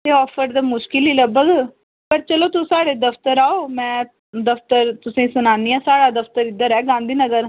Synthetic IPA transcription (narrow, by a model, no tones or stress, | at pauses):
t̪eːɔːpʰəɾd̪aːmʊʃkɪliːləbəɡ | pəɾt͡ʃəloːt̪usaːɽeːd̪əpʰt̪əɾaːoːmɛ̃ː | d̪əpʰt̪əɾt̪ʊsĩːsʊnãːnd̪iːãːsaːɽaːd̪əpʰt̪əɾɪd̪ːəɾɛːɡãːnd̪iːnəɡəɾ